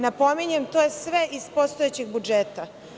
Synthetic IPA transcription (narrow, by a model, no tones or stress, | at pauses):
napo̞miɲemt̪ojesʋeʔizpo̞st̪oet͡ɕeɡbud͡ʒeːt̪a